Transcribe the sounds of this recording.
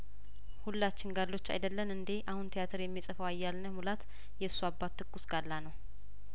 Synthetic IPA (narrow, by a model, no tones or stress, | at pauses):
hulːat͡ʃːɪnɡalːo̞t͡ʃːa̰jd̪əlːənɨnd̪eʔahunt̪ʰijat̪ʰəɾjɛmːisʼəfəwajːalnəmulat̪ | jɛɨsːuabːat̪ʰːɨɡːusɡalːanəw